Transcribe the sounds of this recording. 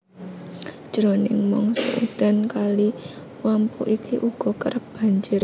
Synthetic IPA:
ʒ̥ɾonɪŋmɔŋsɔ̰ʔṵd̪̥a̤nkali | wampuʔikʰiʔuɡ̥ɔ̤kəɾəp̚b̥a̤ɲd͡ʒɪɾ

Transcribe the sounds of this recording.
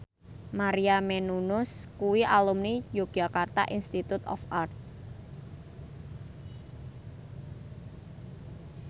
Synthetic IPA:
maɾiamenunʊskuwiʔalumnijoɡ̥akart̪a̰ʔinst̪it̪ut̪ɔ̰fʔart̪̚

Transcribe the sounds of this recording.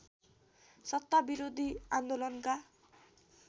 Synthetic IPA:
sʌt̪ːabiɾod̪ʱiand̪olʌnka

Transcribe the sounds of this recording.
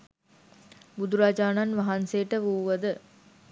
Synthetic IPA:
bud̪uɾaːd͡ʒaːnanʋɐɦanseːʈːəʋuːʋɐd̪ə

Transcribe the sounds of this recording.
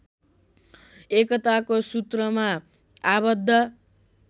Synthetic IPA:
ekʌt̪akosut̪rʌma | abʌd̪ʱːʌ

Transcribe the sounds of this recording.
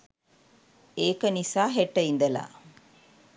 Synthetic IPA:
eːkɐnisaːɦeʈːɐind̪ɐla̰ː

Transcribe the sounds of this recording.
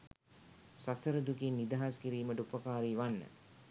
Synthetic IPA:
sasəɾəd̪ukinːid̪aɦaskiɾiːməʈəupəkaːɾiːʋanːə̰

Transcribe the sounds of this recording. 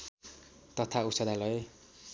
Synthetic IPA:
t̪ʌt̪ʰausʌd̪alʌe

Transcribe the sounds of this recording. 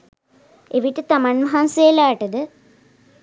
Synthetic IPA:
eʋiʈːɨt̪ɐmanmɐɦansejɐlaːʈɐd̪ə

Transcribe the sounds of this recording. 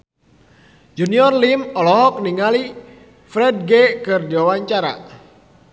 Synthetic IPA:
d͡ʒuniɔrlimɔlɔɦɔk̚niŋali | fɾɛd̚ɡɛkɨrdiwawaɲt͡ʃaɾa̰

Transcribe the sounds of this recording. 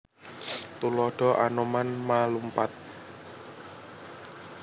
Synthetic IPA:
t̪ulɔɖ̥ɔ̤ʔanɔmanmalumpat̪̚

